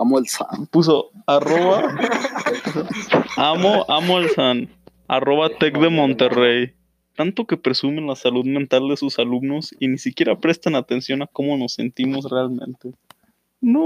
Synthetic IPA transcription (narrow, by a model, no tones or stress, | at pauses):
amolsa̰npus̬o̞aroβa | amoʔamoelsan | a̰ro̞βat̪ek̚d̪e̞mõ̞nt̪e̞rej | t̪ant̪o̞ke̞pɾe̞sume̞nlasaluðmẽnt̪ald̪esusalubno̞sinisikje̞ɾapɾe̞st̪anat̪e̞nsjo̞nako̞mo̞no̞sːe̞nt̪imo̞s̬realmẽ̞̰nt̪e̞ | no